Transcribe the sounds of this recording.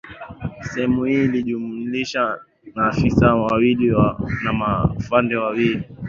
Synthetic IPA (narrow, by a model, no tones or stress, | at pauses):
sɛhɛmuhiːliʄumuliʃa | naːfisawawiliwanamafandɛwawili